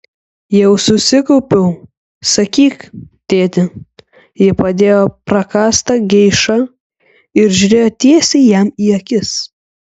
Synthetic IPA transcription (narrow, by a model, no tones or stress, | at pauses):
jɛʊsʊsʲɪkɔʊpʲɛʊ | sɐkʲiːkt̪ʲeːt̪ʲɪ | jɪpɐd̪ʲeːjoːpɾɐkɑːst̪ɐɡʲɛɪʃɐ | ɪɾʒʲɾʲeːjoːt̪ʲiɛsʲɛɪjɛmiːɐkʲɪs